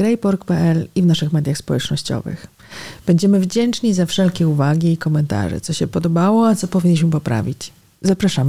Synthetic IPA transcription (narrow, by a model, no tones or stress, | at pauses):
ɾɛjpɔɾkpɛʔɛlivnaʂɘxmɛd̪ʲjaxspɔwɛt͡ʂnɔɕt͡ɕɔ̰vɘ̰x | b̥ɛɲd͡ʑɛmɘvd͡ʑɛnt͡ʂɲizafʂɛlkʲɛuvaɡʲiːkɔmɛnt̪a̰ʐɛ̰t̪sɔɕɛpɔd̪ɔbawɔat̪sɔpɔvʲiɲːiɕ̬mɘpɔpɾa̰vʲit͡ɕ | zapɾaʂam